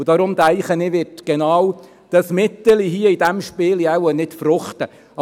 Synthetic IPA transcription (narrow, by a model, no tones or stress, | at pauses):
d̥ɑɾʊmd̪æɪχənɪʋɪtɡ̥enɑːw | d̥ɑsmɪt̪ːəliɦiəidæmʃpɪːliɛwənɪtfɾʊχt̪ə | ɑ